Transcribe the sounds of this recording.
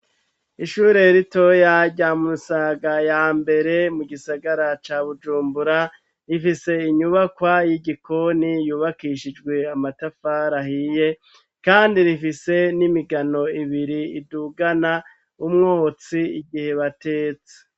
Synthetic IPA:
iʃuːɾe̞ɾito̞jaɟamumusaɡajaːmbe̞ɾe̞muɡisaɡaɾat͡ʃaːβud͡ʒuːmbuɾa | ɾifise̞iɲuβakwajiɟiko̞nijuːβakiʃid͡ʒɡwe̞amatafaːɾahije̞ | kaːndiɾifise̞nimiɡano̞iβiɾiːduɡana | umŋoːt͡siiɡihe̞βate̞ːt͡se̥

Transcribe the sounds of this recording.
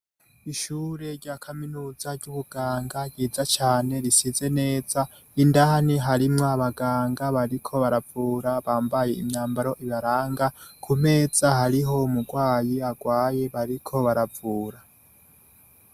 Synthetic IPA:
iʃuːɾe̞ɾɟaːkʰaminuːzaɾɟuβuɡ̥aːŋɡaɟiːzat͡ʃaːne̞ɾisize̞ne̞ːz̥a | indaniɦaɾimŋaβaɡaːŋɡaβaɾikʰo̞βaɾavuːɾaβaːmbaje̞imɲaːmbaɾo̞ʔiβaɾaːŋɡakʰume̞ːz̥ahaɾiɦo̞umuɡwaːjiaɡwaːje̞βaɾikʰo̞βaɾavuːɾa

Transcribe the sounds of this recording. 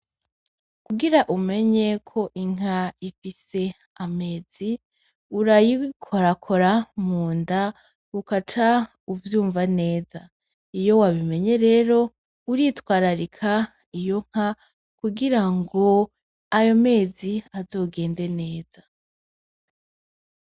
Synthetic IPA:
kuɡiɾaʔume̞ɲe̞kʰo̞ʔiŋ̥aifise̞ | ame̞ːzi | uɾajikʰoɾakʰo̞ɾamuːnda | ukat͡ʃa | uvjuːɱvane̞ːza | ijo̞waβime̞ɲe̞ɾe̞ːɾo̞ | uɾitwaːɾaɾikʰa | ijo̞ŋ̥ha | kuɡiɾaŋɡo̞ | ajo̞me̞ːziazo̞ːɡe̞ːnde̞ne̞ːza

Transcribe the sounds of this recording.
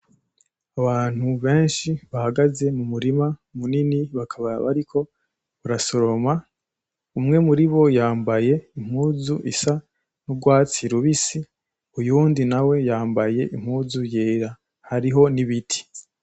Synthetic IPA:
aβaːn̥huβe̞ːnʃiβahaɡaze̞mumuɾimamuniniβakʰaβaβa̰ɾikʰo̞ | βuɾaso̞ɾo̞ma | umŋe̞muɾiβo̞jaːmbaje̞im̥uːzuʔḭsa | nuɡwaːt͡siɾuβisi | ujuːndinawe̞jaːmbaje̞ʔim̥huːzujeːɾa | haɾiɦo̞niβitʰi̥

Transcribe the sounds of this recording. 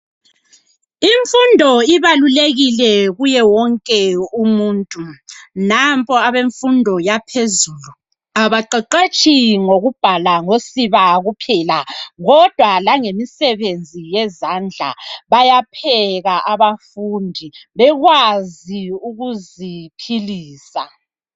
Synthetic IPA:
iɱfundʱɔiβaluleɣilɛɣujɛwɔŋkʼɛumuːntʼunampʰʼɔaβeɱfundʱɔjapʰezuːlu | aβaǃeǃet͡ʃʼʰiŋoɣub̥ʱalaŋosiβaɣupʰɛlaɣɔd̥ʱwalaŋemisɛβend͡zʱijɛzand͡ɮʱa̰βajapʰɛɣaʔaβafundʱiβɛɣwaziuɣuzipʰiliːsa̰

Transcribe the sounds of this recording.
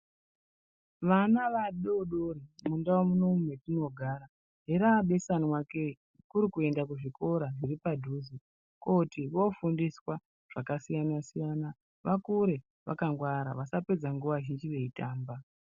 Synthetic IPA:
ʋanaʋaɗoɗoɾimundawomuno̞mumwe̞tino̞ɡʱaːɾa | ɦeɾaɓe̞sanwake | kuɾikue̞ndakuʐiko̞ɾaʐiripadʱuːzi | kotiʋo̞fundiswa | ʐ̥akasijanasijana | ʋakuɾe̞ | ʋʔa̰kaŋɡwaɾa̰ʋasape̞d͡zaŋɡuʋaʒind͡ʒiʋe̞itaːmba

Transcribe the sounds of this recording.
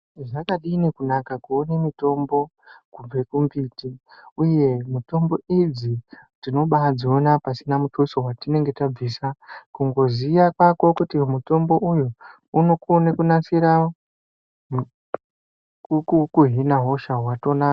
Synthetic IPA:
ʐakaɗinikunakakuonemito̞mbo̞ | kub͡ve̞kumbiːtiuje̞mito̞mbo̞id͡zitino̞ɓad͡zionapasinamutusoɦwatine̞ŋɡe̞tab͡visakuŋɡo̞ziʋakwako̞kutimuto̞mbo̞ʔujuː | no̞konekunasiɾa | kukuɦinaɦo̞ʃaɦwato̞na

